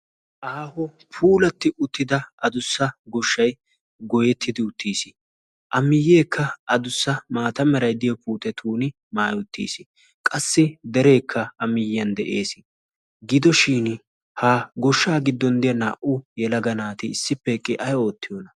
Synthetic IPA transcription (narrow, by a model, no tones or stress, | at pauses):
ʔaːhɔ | pʰuːlɐt̪ːɪʔʊt̪ːɪd̪ɐɐd̪ʊsːɐɡɔʃːɐj | ɡɔjɛt̪ʰːɪd̪ɪʊt̪ːiːsɪ | ʔɐmːɪjːeːkʰːɐɐd̪ʊsːɐmaːt̪ɐmɛɾɐjd̪ɪjɐpuːt̪ʼɛt̪ʰuːnɪ | maːjʊt̪ːḭːsɪ | kʼɐsːɪd̪ɛɾe̞ːkʰːɐɐmɪjɪjɐnd̪ɛʔeːsɪ | ɡɪd̪ɔʃiːn | haːɡɔʃːaːɡɪd̪ːɔnd̪ɪjɐna̰ːʔʊjɛlɐɡɐnaːt̪ɪːsːɪpːɛkʼːɪʔɐjo̞ːt̪ːɪjɔnɐ